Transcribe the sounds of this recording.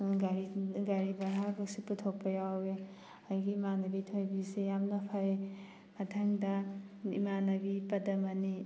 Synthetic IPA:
ɡaɾiɡaɾibɐɦabɐsiputʰok̚pɐjawe | ajɡimanɐbitʰojbisejamnɐpʰaɾe | matʰaŋdaḭmanɐbipɐdɐmɐni

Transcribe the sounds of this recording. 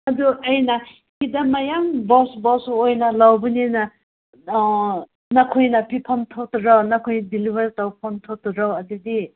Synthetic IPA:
ɐduʔɐjna | kidamajaŋbɔsbɔsojnalawbunina | nakʰojnapʰipʰɔnt̪ʰotɾawnakʰojdilibaɾtawpʰɔntʰotɾawɐdudi

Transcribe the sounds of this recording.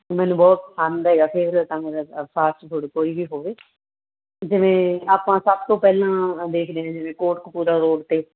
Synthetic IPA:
mɛ̃ːnũːbɔːt̪sʰaːnd̪ɦɛːɡaːpʰɪɾət̪ãːmeːɾpʰaːsʈt̪ʰoːɽeːkoːiːbiːɦoːʋeː | d͡ʒɪʋẽːaːpãːsəb̚t̪õːpɛːlãːd̪eːkʰd̪eːɦãːd͡ʒɪʋẽːkoːʈkpuːɾaːɾoːɖt̪eː

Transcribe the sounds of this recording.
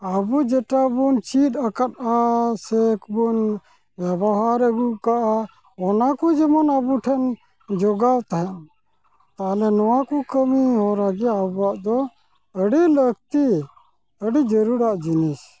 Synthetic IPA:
əbud͡ʒɛʈabunt͡ʃit̪əkat̪asekʰbun | bjɛbɔɦaɾəɡuʔkaʔa | ɔnakud͡ʒɛmɔnəbuʈʰɛn | d͡ʒɔɡawt̪aɦɛn | t̪alɛnɔwakukəmiɦɔɾaɡɛabuaʔd̪ɔ | əɖiləkt̪i | əɖid͡ʒəɾuɾaʔd͡ʒinis

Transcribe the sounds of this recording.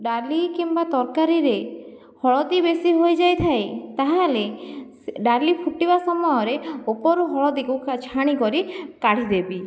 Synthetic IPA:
ɖalikimbat̪ɔɾkaɾiɾe | hɔɭɔd̪ibesiɦojd͡ʒajt̪ʰajt̪aɦãle | ɖalipʰuʈibasɔmɔjɔɾeopɔɾuɦɔɭɔd̪ikukt͡ʃʰaɽ̃ikɔɾikaɽ̤id̪ebi

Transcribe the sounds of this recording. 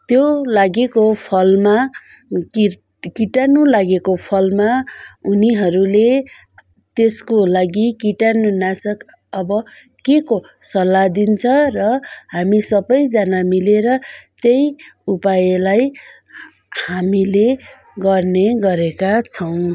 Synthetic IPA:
t̪jolaɡekopʰʌlma | i | kiʈanulaɡekopʰʌlmauniɦʌɾule | t̪eskolaɡikiʈanunasʌk | ʌbʌ | keko | sʌlad̪int͡sʰʌrʌhamisʌbʌjd͡zanamileɾʌt̪ejupajelaj | hamile | ɡʌrneɡʌɾekat͡sʰʌw̃

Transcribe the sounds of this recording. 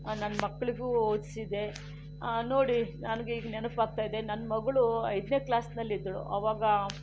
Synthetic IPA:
nɐnːɐmɐkːɐɭiɡuːoːd̪sid̪e̞ | noːɽinɐnɐɡeiːɡɐnɛnɐpaːɡ̚t̪aːjd̪e̞nɐnːɐmɐɡɐɭuɐ̰jd̪ne̞ːklaːsnɐlːid̪ɐɭṵʔɐ̰ʋaːɡɐ

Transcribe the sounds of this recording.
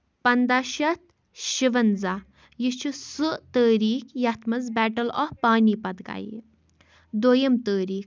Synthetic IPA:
pɐnd̪aːɕɐt̪̚ | ɕiʋənd͡za | jit͡ʃʰusɨt̪əːɾiːkʰjat̪ʰmɐd͡zbɛʈəlɔfpaːnipɐd̪ɡa̰jḭ | d̪oːjəmt̪əːɾiːk

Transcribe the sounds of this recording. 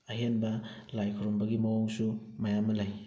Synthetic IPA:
ɐɦenbɐ | lajkʰoɾombɐɡimɐwoŋsu | mɐjamːɐlaj

